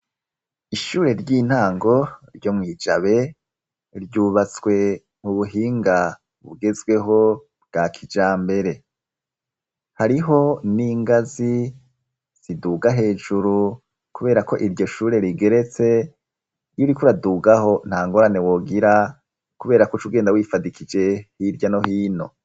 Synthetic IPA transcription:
iʃuːɾe̞ɾɟiːn̥haːŋɡo̞ɾɟo̞mŋiːd͡ʒaβe̞ | ɾɟuːβat͡swe̞ | m̥uβuɦiːŋɡa | βṵɡe̞zwe̞ɦo̞ | b̚ɡ̥akʰid͡ʒaːmbe̞ɾe̞ | haɾiɦo̞niːŋɡazi | z̥iduːɡaɦe̞ːd͡ʒuɾu | kuβe̞ːɾako̞ʔiɾɟo̞ʃuːɾe̞ɾiɡe̞ɾe̞t͡se̞ | juɾikuɾaduːɡaho̞n̥haːŋɡo̞ɾane̞wo̞ːɡiɾa | kuβe̞ːɾakut͡ʃuɡe̞ːndawiːfadikʰid͡ʒe̞hiɾjano̞hiːno̞̰

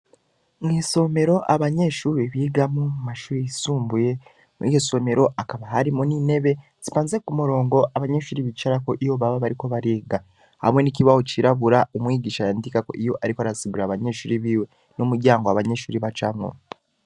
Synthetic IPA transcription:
ŋiːso̞me̞ɾo̞ʔaβaɲe̞ʃuːɾiβiːɡamumumaʃuːɾijisuːmbuje̞ | ijoso̞me̞ɾo̞ʔakaβaɦaɾimunine̞βe̞ | z̥ipaːnzekumuɾo̞ːŋɡo̞ʔaβaɲe̞ʃuːɾiβit͡ʃaɾako̞ʔijoβaβaβaɾiko̞βaɾiːɡa | ha̰mwe̞niciβahociɾaβuɾaomwiːɟiːʃajaːndikako̞̰ʔijo̞ʔaɾikoaɾasiβuɾaβaɲe̞ʃuːɾiβiːwe̞ | nomuɾɟaːŋɡoaβaɲe̞ʃuːɾiβat͡ʃamŋo̰

